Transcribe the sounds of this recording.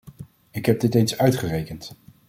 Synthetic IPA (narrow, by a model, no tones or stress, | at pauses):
ɪkɦɛb̚dɪtejnsœɥtχərejkənt